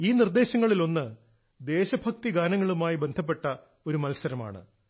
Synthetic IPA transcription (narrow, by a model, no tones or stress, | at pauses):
iːnird̪e̞ːɕɐŋːɐɭilo̞nːɨ | d̪e̞ːɕɐbʱɐk̚t̪iɡaːnɐŋːɐɭumaːjibe̞nd̪ʱɐp̬ːe̞ʈːɐ | o̞ɾumɐlsɐɾɐma̰ːɳɨ̰